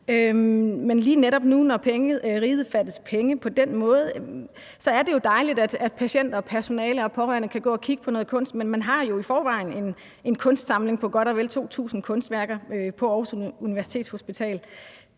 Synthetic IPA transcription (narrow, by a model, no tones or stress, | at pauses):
ømenliːneɾɒ̽b̥nunɒpʰeŋəð̩ˠʁiːð̩ˠfæd̥əspʰeŋəpʰɒ̽d̥enmɔ̽ːð̞̩ˠ | sɒ̽æɐde̝jo̝d̥ɑ̈ɪlid̥æd̥æd̥̚pʰæɕen̰d̥ɐ̽ːpʰæɐso̝nɛːləɒ̽pʰɒ̽ʁæɐnəkʰæɡ̥ɔ̰̽ːɒkʰiɡ̥əpʰɒ̽nɔ̽ːðˠkʰɔ̽nsd̥menmænɦɑ̈jo̝ifɒːʋɑ̈ɪn̩e̝n | e̝nkʰɔ̽nsd̥sɑ̈mle̝ŋpʰɒ̽ɡ̥ɒ̽ɾɒʋelt͡sʰo̝̰ːt͡sʰṵːsn̩kʰɔ̽nsd̥ʋæɐɡ̥ɐpʰɒ̽ɒːhsuniʋæɐsi̥t͡sʰe̝̰ːd̥sho̝sb̥it͡sʰɛ̰ːl